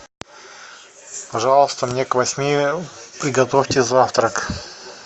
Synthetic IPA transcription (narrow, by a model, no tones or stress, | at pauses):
pɐʐɑlˠəst̪əmnʲekvɐsʲmʲipɾʲɪɡɐt̪ofʲtʲɪzaft̪ɾək